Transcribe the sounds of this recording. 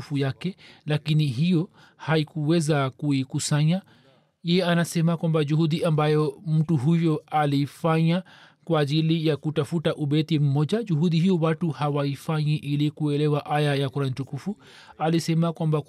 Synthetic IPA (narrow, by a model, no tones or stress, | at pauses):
ufujakɛlakiniɦijɔ | haikuwɛzakuikusaɲa | jɛjɛanasɛmakwambaʄuhuɗiʔambajɔm̩tuɦujɔalifaɲakwaːʄilijakutafutaʔuɓɛtim̩mɔʄaʄuɦuɗihijɔwatuhawaifaɲiʔilikuɛlɛwaʔajajakuɾanitukufu | alisɛmakwamba